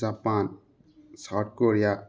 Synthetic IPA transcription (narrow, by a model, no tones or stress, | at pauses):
zapan | saʈ̚koɾija